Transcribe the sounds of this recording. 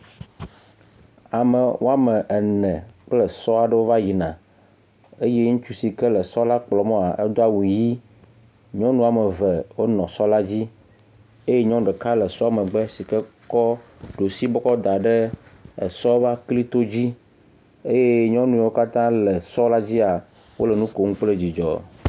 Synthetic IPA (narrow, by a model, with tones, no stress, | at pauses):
a˨mə˨wʔo̰˦a˦mɛ̃˨ʔɛ˨nɛ̃˨k͡plə˨sɔ˦a˨ɖə˦wo˦va˦ji˨nã˨ | e˦je˦ŋũ˦t͡ʃu˦si˨kɛ˦lə˨sɔ˦la˦k͡plɔ˨mɔ̃˦a˨ʔɛ˦d̪o˦a˦wu˨ji˦ | ɲɔ̃˦nũ˦a˨mə˨vɛ˨wo˦nɔ̃˨sɔ˦la˦d͡ʑi˦ | e˦je˦ɲɔ̃˦ɖɛ˨ka˦lɛ˨sɔ˦a˦˨mɛ̃˨ɡ͡bɛ˦si˨kɛ˦kɔ˦ɖo˨si˦bɔ˦kɔ˦d̪a˨ɖe˦ḛ˨sɔ˦va˦kli˦t̪o˦d͡ʑi˦ | e˦je˦ɲɔ̃˦nũ˨wo˦ka˦t̪ã˦le˨sɔ˦la˦d͡ʑi˦a˨ | wo̰˦le˨nũ˦ko˨ŋũ˦k͡ple˦d͡ʑi˨d͡ʒɔ̰˨